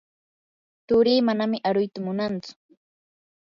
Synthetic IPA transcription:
t̪ʊɾiːmanamɪʔaɾʊjt̪amʊnant͡sʊ̥

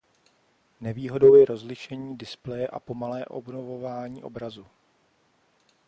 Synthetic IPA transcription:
nɛviːɦo̞do̞wjɛɾo̞zlɪʃɛɲiːdɪsplɛjɛʔa̰po̞malɛːʔo̞̰bnovo̞vaːɲiːʔo̞̰bɾazu

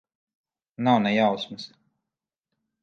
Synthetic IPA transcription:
nawnɛjawsmɨs

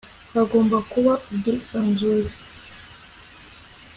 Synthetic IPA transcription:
kaɡɔmbakuwaudɛsanzuɾi

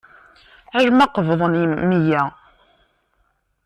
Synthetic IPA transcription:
æʒmɑqəvðˤənmijæ

